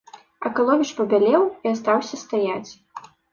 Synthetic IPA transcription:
ɐkalˠɔvʲit͡ʂpɐbʲalʲɛwiast̪awsʲɐst̪ajat͡sʲ

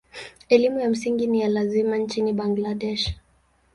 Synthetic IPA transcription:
ɛlimujam̩siŋɡinijalazimant͡ʃiniɓaŋɡladɛʃ

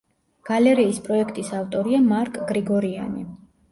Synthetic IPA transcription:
ɡ̥alɛɾiːspʼɾɔɛkʰt̪ʼisaft̪ʼɔɾiamaɾkʼɡɾiɡɔɾia̰ni

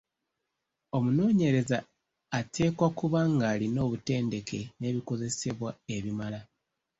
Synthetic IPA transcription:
o̞muno̞ːɲe̞ɾe̞zaː | tʰe̞ːkwakuβaŋɡaːlino̞ːβute̞ːnde̞ke̞ne̞ːβiko̞ze̞se̞βwae̞βimala

